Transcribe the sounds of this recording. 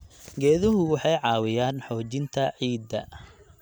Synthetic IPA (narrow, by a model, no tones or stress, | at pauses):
ɡɛːðʊɦʊwɑħɑjʕɑːwɪjaːnħɔːt͡ʃɪnt̪ʰɐʕiːd̪ːɐ̰